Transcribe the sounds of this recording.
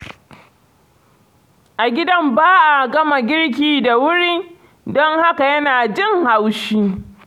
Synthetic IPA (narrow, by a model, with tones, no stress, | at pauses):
ʔa˨ɡʲɪ˦dɐ˦mbaː˦ʔa˨ɡɐ˦ma˨ɡʲɪ˦ɽk̬ʲiː˦da˨wʊ˦ɾiː˦ | dɔ˦ŋha˦ka˨jɐ˦naː˨d͡ʒɪ˦ŋha˦wʃiː˦